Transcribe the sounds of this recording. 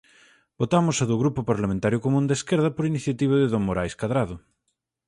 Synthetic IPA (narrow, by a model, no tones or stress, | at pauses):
bot̪amʊsɐðʊɣɾupopaɾlamẽnt̪aɾjʊkomũnd̪eskeɾðɐpoɾiniθjat̪iβɐðɪðoŋmoɾajskaðɾaðʊ